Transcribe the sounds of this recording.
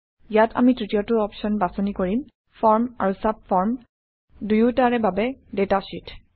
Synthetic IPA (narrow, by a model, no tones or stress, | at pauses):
jatʰa̰mitɹitijɔtʊɔpsɔnbasɔnikoɹim | fɔɹma̰ɹusab̚fɔɹm | dujutaɹɛbabɛdetasitʰ